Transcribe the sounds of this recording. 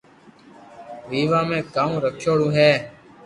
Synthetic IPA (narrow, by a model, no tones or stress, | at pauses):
ʋiːʋãːmẽːkaːũːɾəkʰjoːɽũːɦeː